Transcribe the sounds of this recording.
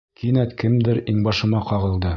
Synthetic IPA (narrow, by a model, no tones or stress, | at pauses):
kinæt̪kɘmd̪ɘɾiŋbɑʃɤ̆mɑqɑʁɤ̆lˠd̪ɤ